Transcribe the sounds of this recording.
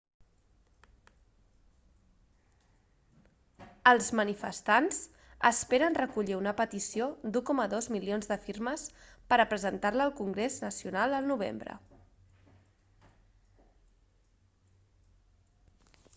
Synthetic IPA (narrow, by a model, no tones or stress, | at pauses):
əlˠzmənifə̰st̪anz | əspeɾənrəkuʎiunəpət̪isiod̪ukɔməðozmilionzðəfiɾməspəɾəpɾəzənt̪aɾləːlˠkuŋɡɾeznəsiunalˠəlˠnuβ̞ḛmbɾə̰